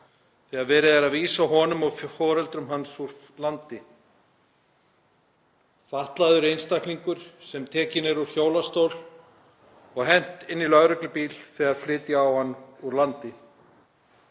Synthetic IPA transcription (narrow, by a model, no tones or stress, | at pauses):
θɛɣaðvɛːɾɪðaɾaðviːsaɦɔːnʏmɔɣffɔːɾɛlt̪ɾʏmɦansuɾ̥ | lant̪ɪ | faht̪laðʏɾejnst̪ajhkniŋkʏɾ̥sɛmt̪ʰɛːcɪnɛɾuɾ̥çoːwlast̪owl | ɔɣɦɛn̥t̪ɪnːilœɣɾʏklʏpiːlθɛːɣaɾ̥flɪːt̪jɪawhanːuɾlant̪ɪ